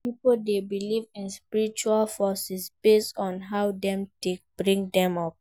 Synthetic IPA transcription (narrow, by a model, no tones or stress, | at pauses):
pipoldebilivĩnspiɹit͡ʃualfɔsisb̥estɔ̃nɦaʊdɛ̃mtek̚b̥ɹĩŋdɛ̃mɔp̚